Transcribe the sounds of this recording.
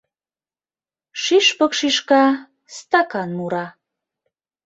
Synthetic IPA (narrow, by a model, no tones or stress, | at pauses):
ʃiʃpəkʃiʃkɑ | st̪ɑkɑnmuɾɑ